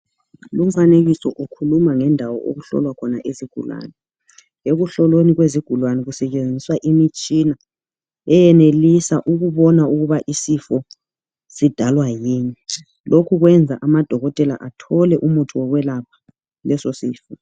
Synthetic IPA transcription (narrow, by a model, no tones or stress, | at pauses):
lum̩faneɣisɔʔukʰulumaŋɛndʱawɔ̰ʔo̰ɣuɬɔ̰lwakʰɔnaʔeziɡ̥ʱṵlwa̰nɛ | eɣuɬɔloniɣweziɡ̥ʱulwanɛɣusɛt͡ʃʼend͡zʱiswaʔimit͡ʃʼina | ɛjɛnelisaʔuɣuβɔnauɣuβaʔisifɔ | sid̥ʱalwajiːni | lʔokʰuɣwɛnd͡zʱaʔamad̥ʱɔɣɔtʼɛla̰ʔatʰɔlɛʔumutʰuwɔɣwɛlapʰḁ | lɛsosiːfɔ